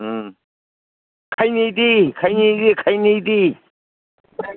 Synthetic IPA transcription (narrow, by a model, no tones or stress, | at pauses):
kʰajnid̪ikʰajnidikʰajnid̪i